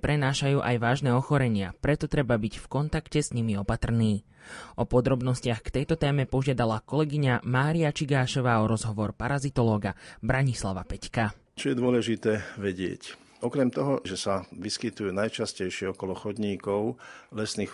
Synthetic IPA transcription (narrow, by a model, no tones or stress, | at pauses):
pɾɛnaːʃajuːʔajʋaːʒnɛːɔxɔɾɛɲɪa̰pɾɛt̪ɔt̪ɾɛbabiɟfkɔnt̪akcɛsɲimiɔpat̪r̩niː | ɔpɔd̪ɾɔbnɔscɪaxkt̪ɛjt̪ɔt̪ɛːmɛpɔʒɪad̪alakɔlɛɡiɲamaːɾiat͡ʃiɡaːʃɔʋaːɔɾɔzɦɔʋɔɾpaɾazit̪ɔlɔːɡabɾaɲislaʋa̰pɛcka | t͡ʃɔjɛd̪ʊɔlɛʒit̪ɛːʋɛɟɪɛ̰c | ɔkɾɛmt̪ɔɦɔʒɛsaʋiskit̪ujuːnajt͡ʃascɛjʃɪɛɔkɔlɔxɔd̪ɲiːkɔʊlɛsnix